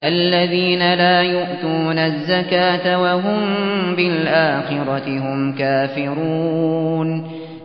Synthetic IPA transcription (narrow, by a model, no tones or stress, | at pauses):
ʔalːaðiːnalaːjʊʔt̪uːnazːakaːt̪awaɦʊmbɪlʔaːxɪɾˤɑt̪ɪɦʊmkaːfɪɾuːn